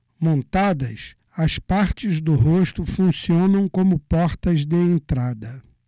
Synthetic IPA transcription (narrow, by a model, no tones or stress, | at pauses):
mõnt̪ad̪ɐs | ɐspaɾt͡ʃɪzd̪ʊɦoʃt̪ʊfũsiõnɐ̃w̃kõmʊpɔɾt̪ɐzd̪ɪẽnt̪ɾad̪ɐ